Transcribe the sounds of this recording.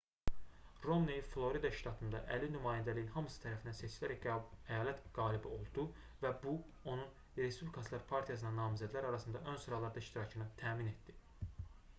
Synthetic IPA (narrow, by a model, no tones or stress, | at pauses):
ro̞mnejflˠo̞ɾid̪ɑʃt̪ʰɑt̪ʰɯnd̪ɑʔælinymɑːjænd̪ælijinhɑmɯsɯ̥t̪ʰæɾæfind̪ænset͡ʃʰilæɾææjɑːlæt̪ɡ̥ɑːlibio̞lˠd̪u | væbu | o̞nun | ɾe̞spublikʰɑslˠɑɾpʰɑɾt̪ʰijɑsɯnɑnɑːmizæd̪ilæɾɑɾɑsɯnd̪ɑʔø̞nsuɾɑlˠɑɾd̪ɑiʃt̪iɾɑcʰɯnɯt̪ʰæːmine̞t̪̚d̪i